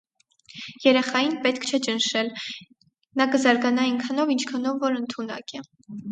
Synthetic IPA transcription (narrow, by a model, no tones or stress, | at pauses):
jɛɾɛχɑjinpɛt̪kʰt͡ʃʰɛt͡ʃənʃɛl | nɑkəzɑɾɡɑnɑinkʰɑnɔvint͡ʃʰkʰɑnɔvːɔɾənt̪ʰunɑ̰kɛ